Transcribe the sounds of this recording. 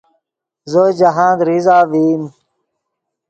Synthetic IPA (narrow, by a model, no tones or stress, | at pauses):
zod͡ʑɐɦãːd̪ɾizaːʋiːm